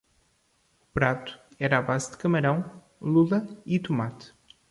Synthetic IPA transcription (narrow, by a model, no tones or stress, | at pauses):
upɾat̪u̥ɛɾaβazd̪ɨkɐmɐɾɐ̃w̃ | lˠulˠɐit̪umat̪